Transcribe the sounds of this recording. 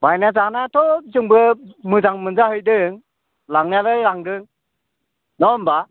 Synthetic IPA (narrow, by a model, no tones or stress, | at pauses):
bajnazanatʰɔzɯŋbɯmɯzaŋmɯnzahɯjdɯŋ | laŋnalɯjɾaŋdɯŋ | nɔmba